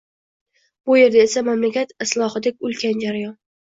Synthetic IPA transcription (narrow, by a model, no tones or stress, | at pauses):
bʊje̞ɾd̪aesamamlakʲat̪ɪslˠɒhɨd̪ekʲʊlkʲʰand͡ʒaɾajɒn